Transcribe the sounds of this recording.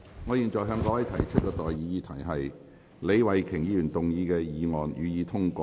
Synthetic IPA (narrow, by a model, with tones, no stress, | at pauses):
ŋɔː˨˧jiː˨˩nt͡ʃɔː˨˩jɦœː˨˧ŋkɔː˧˥wɐ˨˥jt̪ʰɐ˨˩jt͡ʃʰɵ˥t̚kɛː˧t̪ɔː˨jjiː˨˧jiː˨˧˥t̪ʰɐ˨˩jɦɐ˨j | le˨˧jwɐ˨jkʰɪ˨˩ŋjiː˨˧jyː˨˩nt̪ʊ˨ŋjiː˨˧kɛː˧jiː˨˧ŋɔː˨njyː˨˧jiː˨˧t̪ʰʊ˥ŋkɔː˧